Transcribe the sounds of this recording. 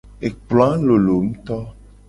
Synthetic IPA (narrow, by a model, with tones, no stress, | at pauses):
e˨k͡plɔ˨˦a˦lo˨lo˨m̩̃˦t̪ɔ˦